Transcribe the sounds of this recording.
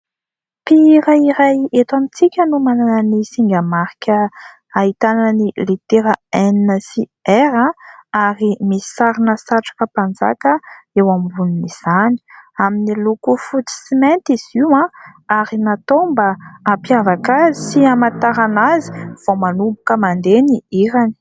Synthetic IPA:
piɾaiɾajet̪amit͡sikʲənumananənisiŋɡamaɾikʲə | aɦit̪annilit̪eɾaɛniəsiɛɾãaɾimii̥saɾinəsaʈ͡ʂḁkəpand͡za̰kəewamivunimiz̥ani̥aminilukufut͡si̥siment̪iz̥iwãaɾinat̪ombəampiavakazisiamat̪aɾanazi̥v̥omanumbukəmand̪eniiɾani̥

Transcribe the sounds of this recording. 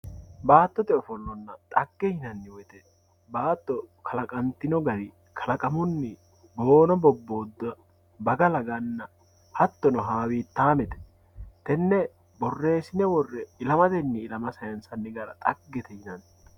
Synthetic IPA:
baːt̪ːɔt̪ɛɔfɔlːɔnːɐt̪ʼɐɡːɛhɪnɐnːɪwɔjt̪ɛ | baːt̪ːɔkʰɐlɐkʼɐnt̪ːɪnɔɡɐd̪ɪ | kʰɐlɐkʼɐmʊnːɪ | bo̞ːnɔbɔbːo̞ːd̪ːɔ | bɐɡɐlɐɡɐnːɐ | hɐt̪ːɔnɔɦaːwiːt̪ːaːmɛt̪ɛ̥ | t̪ɛnːɛ | bɔrːe̞ːsɪnɛwɔrːɛɪlɐmɐt̪ɛnːɪːlɐmɐsɐjɐnsɐnːɪɡɐɾɐ̰t̪ʼɐɡːɛt̪ɛhɪnɐn

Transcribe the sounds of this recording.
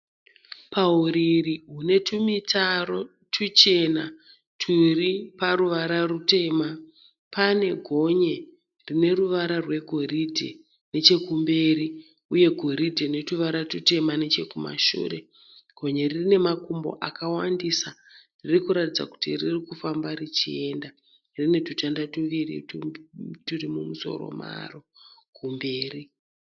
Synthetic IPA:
pauɾiriɦune̞tʰumitʰaro | tʰut͡ʃe̞na | tʰuripaɾuʋaɾarute̞ma | pane̞ɡʱo̞ɲe | rine̞ruʋaɾarwe̞ɡʱo̞ɾidʱḛ | ne̞t͡ʃe̞kumbe̞ɾi | uje̞ɡʱo̞ɾidʱene̞tuʋaɾatute̞mane̞t͡ʃe̞kuma̰ʃṵːre̞ | ɡ̥ʱo̞ɲe̞rine̞makumbo̞̰ʔakawandisa | ririkuɾatid͡za̰ku̥tiririkufambarit͡ʃie̞nda | rine̞tutandatuʋirḭ | turimumuso̞̰ɾo̞̰ma̰rokumbe̞ːri

